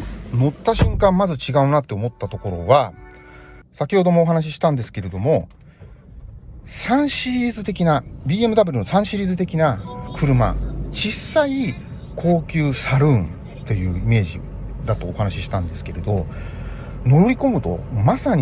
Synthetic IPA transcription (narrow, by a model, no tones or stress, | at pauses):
no̞t̪ːaɕɨ̃ŋkãmːazɨt͡ɕiɡaɯ̟nat̪ːe̞omo̞t̪ːat̪o̞ko̞ɾo̞βa | sakʲiho̞d̪o̞mo̞ːɦanaɕ̬iɕi̥t̪ãnd̪e̞sɨ̥ke̞ɾe̞d̪o̞mo̞ | sãɰ̃ɕiɾʲiːzɨt̪e̞kʲinabʲiːe̞mɯ̟d̪abeɾɯno̞sãɰ̃ɕiɾʲiːzɨt̪e̞kʲinakʰɯ̟ɾɯ̟ma̰t͡ɕisːai | kʰo̞ːkʲɨːsaɾɯ̃n | t̪e̞jɯ̟ːime̞ːʑḭ | d̪at̪o̞ːhanaɕiɕi̥t̪ãnd̪e̞sɨ̥ke̞ɾe̞d̪o̞ | no̞ɾoɾʲiko̞mɯ̟t̪o̞̰masaɲ̟